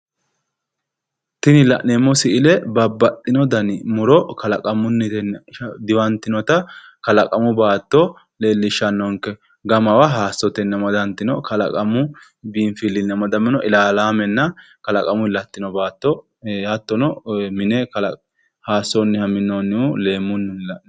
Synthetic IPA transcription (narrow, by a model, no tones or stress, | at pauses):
t̪ɪnɪlɐ̰neːmːɔsɪʔɪlɛbɐbːɐt̪ʼːɪnɔd̪ɐnmʊɾɔkɐlɐ̰kʼɐmʊnːɪnd̪ɪwɐnt̪ːɪnɔt̪ɐ | kɐlɐkʼɐmʊbaːt̪ːɔ | le̞ːlːɪʃɐnːɔŋkːɛ | ɡɐmɐwaɦaːsːɔt̪ɛnːɛmɐd̪ɐnt̪ːɪnɔkɐlɐ̰kʼɐmʊ | biːnfilːɪnːɛmɐd̪ɐmːɪnɔʔɪlaːlaːmɛnːɐ | kɐlɐkʼɐmʊɪlɐt̪ːɪnɔbaːt̪ːɔ | hɐt̪ːɔnɔmɪnɛkɐlɐ | haːsːɔnːɪhɐmɪnːɔnːɪʊleːmːʊnːɪnlɐʔ